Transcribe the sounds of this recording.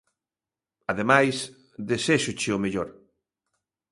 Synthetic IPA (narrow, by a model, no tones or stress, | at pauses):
aðemajs | ðeseʃʊt͡ʃɪʊmeʎoɾ